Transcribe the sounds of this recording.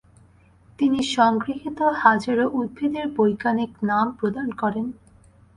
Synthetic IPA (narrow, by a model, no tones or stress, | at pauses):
t̪iniʃɔŋɡɾiɦit̪ohad͡ʑaɾoʔud̪̚bʱid̪eɾbojkaniknampɾod̪ankɔɾen